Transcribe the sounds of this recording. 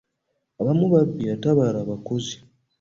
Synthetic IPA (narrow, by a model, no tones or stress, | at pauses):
aβamuβabːiataβaɾaːβakozi̥